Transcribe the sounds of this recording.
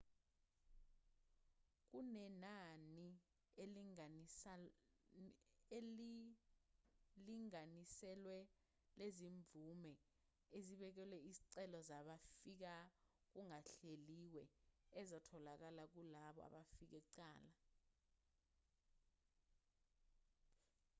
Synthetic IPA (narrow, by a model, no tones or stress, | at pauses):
k̬unɛnani | el | liŋanisɛlwɛ | leziɱb̪vumɛ | eziɓɛk̬ɛlwɛiziǀɛlɔzaɓafik̬a | k̬uŋaɬeliwɛːzɔtʰɔlak̬alak̬ulaɓɔ̰a̰ɓafik̬ɛǀaːla